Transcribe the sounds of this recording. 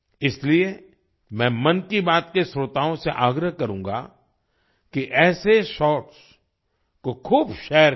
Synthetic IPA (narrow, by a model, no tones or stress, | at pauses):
ɪslie | mɛ̃ːmɐnkibaːt̪kesɾot̪aːõseʔaːɡɾəɦkɐɾũːŋɡa̰ | kiʔɛːseʃɔːʈs | kokʰuːbʃɛːəɾ